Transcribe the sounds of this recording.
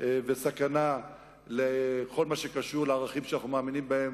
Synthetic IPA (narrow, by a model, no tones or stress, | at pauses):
vesakana | leko̞lmaʃekaʃuʁleaʁaχimʃanaχnumeaːminimbaem